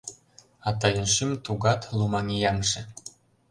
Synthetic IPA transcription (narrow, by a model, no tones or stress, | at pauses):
ɑt̪ɑjə̆nʃimt̪uɣɑt̪lumɑŋijɑŋʃĕ